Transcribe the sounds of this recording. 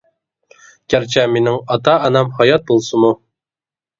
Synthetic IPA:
kʲæɾt͡ɕæminɘŋɑt̪ɑːnɑmhɑjɑt̪̚bulˠsɤmu

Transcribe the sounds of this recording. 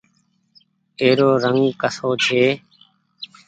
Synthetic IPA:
eːɾoːɾəŋkəsoːt͡ʃʰeː

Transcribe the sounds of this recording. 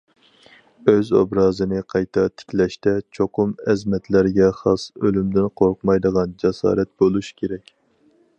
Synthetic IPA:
øzo̰bɾɑːzɨnɨqʰɑjt̪ʰɑt̪ʰɪ̥kʲlɛʃt̪ɛt͡ʃʰoqʊmɛzmɛt̪læɾɡʲɛχɑsølymd̪ɪnqʰoɾqmɑjd̪əʁɑnd͡ʒɛsɑ̰ːɾɛt̪̚bolˠuʃkʲʰeɾɛkʲ

